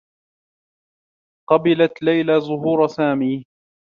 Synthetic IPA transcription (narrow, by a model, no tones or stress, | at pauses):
qɑbɪlat̪lajlaːzˤʊɦuːɾˤsaːmiː